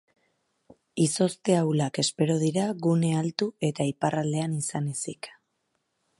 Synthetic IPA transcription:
iso̞st̪e̞awlake̞spe̞ɾo̞ð̞iɾaɣune̞alt̪ue̞t̪aiparald̪e̞anisanesik

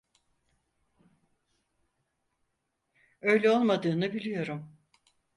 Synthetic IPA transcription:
ø̞jlʲɛolˠmad̪ɯːnɯbilʲijo̞ɾum

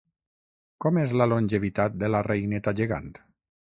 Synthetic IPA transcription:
kɔmezlalonʲʒeβit̪at̪̚d̪elarejnet̪aʒeɣa̰nt̪

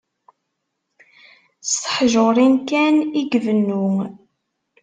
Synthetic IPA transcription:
st̪ə̥ħʒoɾˤinkæniɡvənːʊŋ

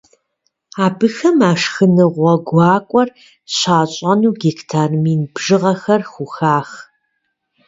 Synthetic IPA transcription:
aːbɨxɐmaːʂxɨnɨʁʷɔɡʷɑːkʷʼɔr | ɕaːɕʼɐnuːɡiktʰaːrmiːnbʐ̥ɨʁɐxɐrxʷʊxaːx

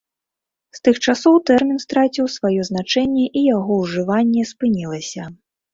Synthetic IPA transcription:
st̪ɨxt͡ʂasɔwt̪ɛrmʲinst̪ɾat͡sʲiwsvajɔznat͡ʂɛnʲːɛʔijaɣɔwʐɨvanʲːɛspɨnʲilˠɐsʲɐ

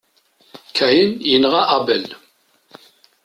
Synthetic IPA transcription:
kʰæjənjənʁaʔabəl

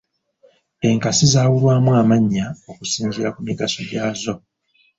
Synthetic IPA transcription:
e̞ŋkasizaːwulwaːmwamaɲːao̞kusiːɲɟiɾakumiɡaso̞ɟaːzo̞

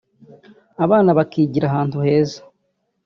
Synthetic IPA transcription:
aβaːnaβakiːɟiɾaɦaːntuhe̞ːzḁ

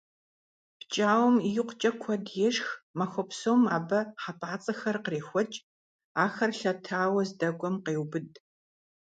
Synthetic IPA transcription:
pt͡ʃʼaːwmijɪqʷt͡ʃʼɐkʷʰɔdjɛʂxmɐxʷɔpsoːmaːbɐħapʰʼaːt͡sʼɐxɐrqəreːxʷɔt͡ʃʼ | aːxɐrɬɐtʰaːwɐzdɐɡʷɔmqeːwbɨdʼ

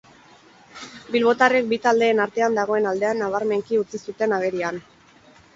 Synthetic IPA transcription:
bilβo̞t̪arek̚bit̪ald̪e̞ːnaɾt̪e̞and̪aɣ̞o̞e̞nald̪e̞anːaβ̞aɾme̞ŋkiut͡sisut̪e̞naɣ̞e̞ɾian

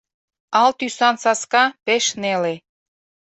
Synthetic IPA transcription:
ɑlt̪ysɑnsɑskɑpeʃnele

